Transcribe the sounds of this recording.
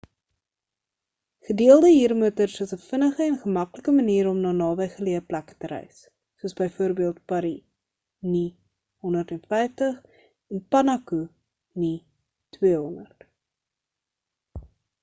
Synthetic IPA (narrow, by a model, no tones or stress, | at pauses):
χədiəlˠdəɦiːrmutərsəsəfənəχəɛnχəmɐkləkəməniːɾɔmnɑːnɑːbəjχəliəplækə̥təɾɛ̰jsː | uəsbəjfuəɾbiəlˠt̚pɑɾi | ni | ɦɔndərtɛnfɛjftəχ | ɛnpɐnɐku | ni | twiəɦɔnərt